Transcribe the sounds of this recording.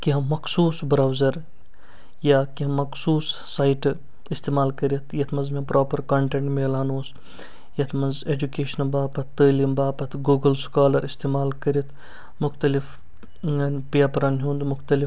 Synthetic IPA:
kiɦɐmːɐksuːsbɾaːwzɐɾ | jaːkiɦɐmːɐksuːsːaːjʈ | ist̪eːmaːlkɐɾjɐt̪ʰjɐt̪ʰmɐzmẽpɾaːpɐɾkɐːɳʈẽɳʈmeːlaːnoːs | jɐt̪ʰmɐnzeːd͡ʒukeːʃnɐbaːpɐt̪ːəːlɐmbaːpɐt̪ʰɡuːɡɐlskaːlɐɾist̪eːmaːlkɐɾit̪ʰ | mʊxt̪ɐlif | peapɐɾɐnɦũːnd̪mʊxt̪ɐlif

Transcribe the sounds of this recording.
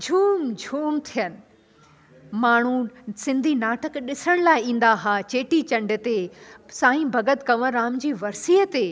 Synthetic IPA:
d͡ʑʱuːmd͡ʑʱuːmt̪ʰijənɪ̆ | maːɳ̤usɪ̃nd̪ʱinaːʈəkɗɪsəɽ̃laːɪĩːn̆d̪aɦaːt͡ɕeːʈit͡ɕɐ̃ɳɖɪt̪esãːĩbʱɐɡət̪kɐʋəɾaːmd͡ʑiːʋɐɾsiːət̪e

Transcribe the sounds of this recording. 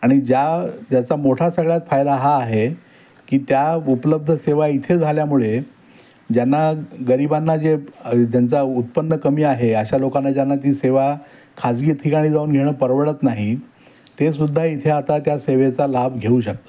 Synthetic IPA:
aɽ̃id͡ʑad͡ʑjat͡samoʈʰasəɡɭjat͡s̪fajd̪aɦaːɦe | kiːt̪jaupələb̚d̪ʱəseʋait̪ʰed͡zʱaljamuɭe | d͡ʑanːaɡəɾibanːad͡zed͡ʑjant͡saut̪̚pənːəkəmiːaɦeəɕalokanːad͡ʑjanːat̪̬iːseʋa | kʰad͡zɡiːt̪ʰikaɽ̃iːd͡zauːnɡʱeɽ̃əːpəɾʋəɽət̪naɦi | t̪esud̪ʱːait̪ʰeat̪at̪jaseʋet͡salabʱɡʱeũɕək̚t̪ə̥

